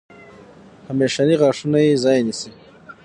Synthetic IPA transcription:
hameːʃaniʁɑːʂunajezɑːjenisi

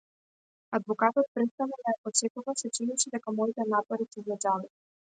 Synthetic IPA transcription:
ad̪vɔkat̪ɔt̪̚pɾɛt̪st̪anad̪ajapɔt͡ʃɛkuvasɛt͡ʃiniʃid̪ɛkamɔit̪ɛnapɔɾisizad͡ʒali

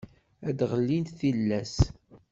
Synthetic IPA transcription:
æd̪ʁəlːint̪θilːæs

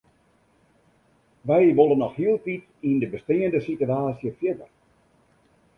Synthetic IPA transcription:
ʋɛjʋolˠənːɔxhiəlˠtit | indəbəstɪəndəsityaːsjəfjɪdər

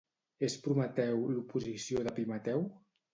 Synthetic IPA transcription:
espɾumət̪ɛwlupuzisioðapimat̪ɛw

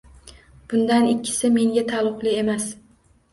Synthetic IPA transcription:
b̥ʊnd̪anɪkʲʰːɪ̥sɪme̞ŋɡʲat̪ʰalˠʊqlˠɪe̞mas

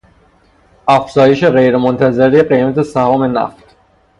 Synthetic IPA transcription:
æfz̥ɒːje̞ʃe̞ɣejɾemont̪ʰæzeɾieɢejmæt̪ʰesæhɒːme̞næ̰ft̪

